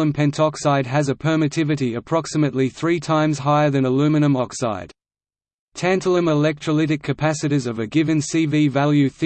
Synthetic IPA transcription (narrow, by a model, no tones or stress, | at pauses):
ə̃mpʰɛ̃ntʰɑksaɪd̚əzəpʰɜ˞mɨtʰɪvɨɾiəpʰɹ̥ɑksəməʔˡliθɹitʰãɪ̃mz̥ɦaɪə˞ðɨ̃nəlʉmɨnə̃mɔksa̰ɪd̥ | tʰæ̃ntəlˠə̃məlɛk̚tʰɹ̥əlɪɾɨkʰːɨpʰæsɨɾizʌvɨɡɪvɨ̃nsivivælˠjʉθ